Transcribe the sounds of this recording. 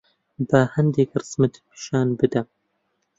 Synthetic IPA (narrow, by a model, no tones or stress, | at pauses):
bɐhɐnd̪ekrɨsmɨt̪ʰpʰi̥ʃɑːnbɨd̪ɐ